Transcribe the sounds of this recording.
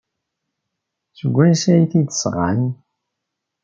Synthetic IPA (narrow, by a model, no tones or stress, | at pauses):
səɡʷːænsæjθid̪sʁa̰n